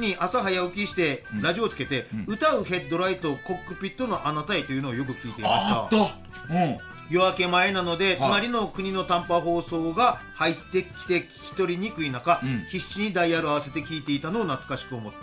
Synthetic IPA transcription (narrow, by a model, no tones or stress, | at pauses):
ɲ̟iʔasaɦajaɯ̟kʲiɕi̥t̪e̞ɾaʑio̞ːt͡sɨ̥ke̞t̪e̞ɯ̟t̪aɯ̟ɦe̞d̪ːo̞ɾait̪o̞ko̞kːɯ̟pʲit̪ːo̞no̞ʔanat̪ait̪ːo̞jɯ̟noːjo̞k̬ɯ̟kʲiːt̪e̞imast̪a̰ | jo̞βake̞mae̞nano̞d̪e̞t͡somaɾʲino̞kɯ̟ɲ̟ino̞t̪ãmpaɦo̞ːso̞ːɡahait̪ːe̞kʲi̥t̪e̞kʲçʲi̥t̪o̞ɾʲiɲ̟ikɯ̟inakaçiɕːiɲ̟id̪aiaɾɯaβ̞ase̞t̪e̞kʲiːt̪e̞it̪ano̞ːnat͡sɨ̥kaɕi̥kɯ̟o̞mo̞t̪ːe